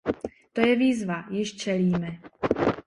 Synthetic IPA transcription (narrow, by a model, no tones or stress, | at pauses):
t̪o̞jɛviːzvajɪʃt͡ʃɛliːmɛ